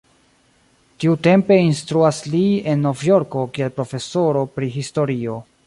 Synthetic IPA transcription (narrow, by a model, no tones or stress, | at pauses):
tiute̞mpe̞instɾuaslie̞nːo̞vjo̞ɾko̞kie̞lpɾo̞fe̞so̞ɾo̞pɾiɦisto̞ɾio̞